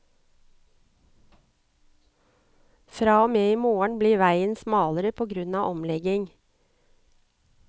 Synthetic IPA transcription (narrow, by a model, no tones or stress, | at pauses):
fɾɑːoːmeːiːmoːəɳbliːʋæɪənsmɑːləɾəpʰoːɡɾʉnɑːʔɔmlɛɡɪŋ